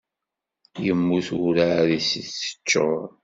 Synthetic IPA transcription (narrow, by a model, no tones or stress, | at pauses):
jəmːuθuɾaɾisiθːə̥t͡ʃːoɾˤ